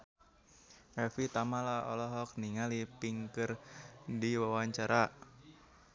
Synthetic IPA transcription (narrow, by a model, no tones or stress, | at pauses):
ɛfit̪amalaɔ̰lɔɦɔk̚niŋalipiŋkɨrdiwawaɲt͡ʃaɾa